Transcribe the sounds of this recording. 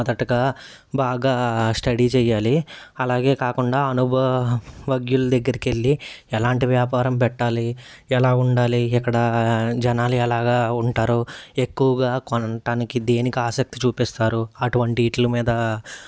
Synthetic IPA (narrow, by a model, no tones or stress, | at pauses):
mɐd̪ɐʈɐɡaː | baːɡaːsʈɐɽit͡ʃɛːjːaːliɐlaːɡe̞ːkaːkuɳɖaːɐnubʱɐʋɐɡjulud̪ɐɡːɐɾikelːiɛlaːɳʈiʋjaːpaːɾɐmp̬ɛʈːaːli | ɛlaːuɳɖaːliɛkːɐɽɐd͡ʒɛnaːliɛlaːɡaːuɳʈaːɾue̞kːuʋɐɡaːkonɐʈaːnikid̪e̞ːnikiaːsɐk̚t̪it͡ʃuːpist̪aːɾuɐʈuʋɐɳʈiːʈlɐmiːd̪ɐ